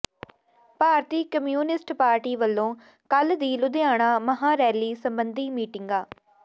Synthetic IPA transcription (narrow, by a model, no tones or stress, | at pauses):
paːɾt̪iːkəmjuːnɪsʈpaːɾʈiːʋəlːõː | kəld̪iːlʊd̪eaːɽ̃aːməɦãːɾɛːliːsəmbənd̪iːmiːʈɪŋɡaː